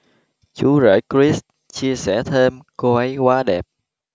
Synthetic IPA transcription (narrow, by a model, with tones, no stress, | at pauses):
t͡ɕu˨˦zə̰ː˧˩jkɹi˦˥s | t͡ɕi˧əsɛ̰˧˩t̪ʰe˧mko˧ʔə˨˦jkwaː˧ɗɛ˨˩p̚